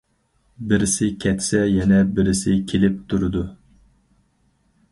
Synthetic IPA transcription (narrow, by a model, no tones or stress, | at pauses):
bɪɾɪsɪkʲʰɛt̪ʰsɛjɛnɛbɪɾɪsɪkʲʰelɪp̚t̪ʰuɾɨd̪u